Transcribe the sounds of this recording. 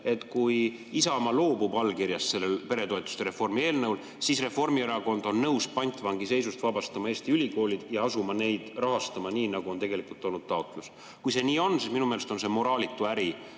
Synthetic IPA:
e̞t̪ːˑkuj | isɑmɑlo̞ːbubɑlːkiɾjɑsse̞lːelpe̞ɾe̞t̪o̞et̪ːˑu̥st̪eɾe̞fo̞rmie̞ːlnɤwl | sisre̞fo̞rmieɾɑko̞nd̪̥o̞nːɤwspɑnʲt̪ˑvɑŋɡise̞js̬ust̪vɑbɑst̪ɑmɑeːst̪iylʲiko̞ːlʲid̪̥jɑɑsumɑne̞jd̪̥rɑɦɑst̪ɑmɑniːnɑɡ̥uo̞nt̪e̞ɡ̥e̞likult̪ːˑo̞lnud̪̥t̪ɑok̪ˑlus | kujse̞niːo̞nsisminumelest̪o̞nsemo̞ɾɑːlit̪ːˑuæɾi

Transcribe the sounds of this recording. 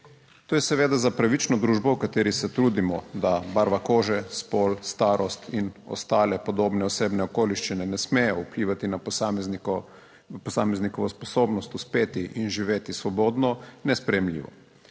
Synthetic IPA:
t̪oːjɛsɛʋeːd̪azapɾaʋit͡ʃnɔd̪ɾuːʒbɔwkat̪eːɾisɛt̪ɾuːd̪imɔd̪abaɾʋakoːʒɛspoːlst̪aːɾɔst̪inɔ̰st̪aːlɛpɔd̪oːbnɛɔseːbnɛɔkoːliʃt͡ʃinɛnɛsmɛjɔupliːʋat̪ina | pɔsaːmɛznikɔʋɔspɔsoːbnɔst̪uspeːt̪iʔinʒiʋeːt̪isʋɔboːd̪nɔnɛspɾɛjɛmlḭːʋɔ̰

